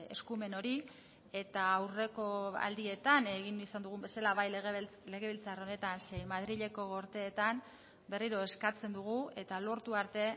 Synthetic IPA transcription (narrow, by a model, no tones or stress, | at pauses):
e̞̰skume̞no̞ɾi | e̞t̪aːwre̞ko̞a̰ld̪ie̞t̪ane̞ɣ̞inisand̪uɣ̞umbe̞salaβajle̞ɣe̞βilt͡saro̞ne̞t̪anse̞jmaðɾiʎe̞ko̞ɣo̞ɾt̪e̞ːt̪an | be̞riɾo̞e̞skat͡se̞nd̪uɣ̞ue̞t̪alo̞ɾt̪uaɾt̪e̞